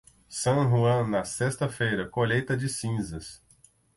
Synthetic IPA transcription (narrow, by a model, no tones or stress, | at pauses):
sɐ̃w̃ɦuɐ̃nɐsest̪ɐfejɾɐkoʎejt̪ɐd͡ʒɪsĩzɐs